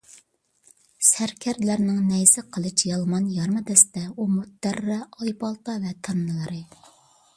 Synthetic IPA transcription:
sæɾkʲʰæɾd̪læɾnɪŋnɛjsɪqʰəlˠɨt͡ʃjɑlˠmɑnjɑɾmɨd̪ɛsd̪ɛumut̪ːærːɑɑjpɑlˠpɑvɛt̪ʰɑnːɨlˠəɾɨ

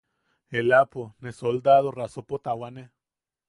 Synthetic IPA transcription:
elaponesold̪aðorasopot̪awane

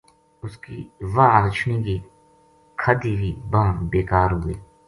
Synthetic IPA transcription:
ʊskiːʋaːɾɪt͡ʃʰniki | kʰəd̪iʋiːbãːnbeːkaːɾɦʊieː

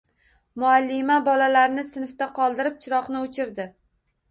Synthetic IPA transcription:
mʊalːɪmabɒlalaɾnɪsɪnft̪aqʰɒlˠd̪ɪɾɪp̚t͡ʃʰɪɾɒqnɪʊt͡ʃʰɪɾd̪ɪ

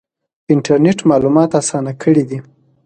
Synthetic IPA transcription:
ɪɳʈaɾneʈmɑlumɑt̪asɑnakʰəɽid̪i

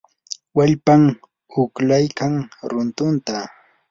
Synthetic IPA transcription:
waʎpaŋ | ʊklajkaŋɾʊnt̪ʊnt̪a

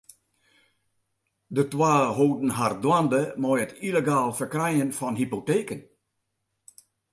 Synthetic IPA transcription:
dətwaːɦoːdn̩ɦardwandəmɔjətʰileɡaːlˠfərkrɛjənfɔnɦipoteːkən

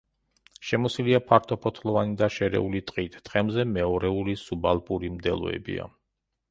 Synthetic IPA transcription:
ʃɛmɔsiliapʰaɾt̪ʰɔpʰɔt̪ʰlˠɔvanid̪aʃɛɾɛ̰ulit̪ʼqʼit̪ʰːχʼɛmzɛmɛɔɾɛulisubalˠpʼuɾimd̪ɛlˠɔ̰ɛ̰bḭa̰

